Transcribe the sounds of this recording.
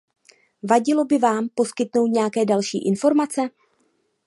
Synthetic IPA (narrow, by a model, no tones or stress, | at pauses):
vaɟɪlo̞bɪvaːmpo̞skɪt̪no̞wt̪ɲɛjakɛːdalʃḭːʔɪnfo̞ɾmat͡sɛ